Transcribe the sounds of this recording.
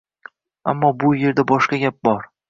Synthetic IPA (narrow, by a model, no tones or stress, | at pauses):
a̰mːɒbʊje̞ɾd̪abɒʃqɑɡʲap̚bɒɾ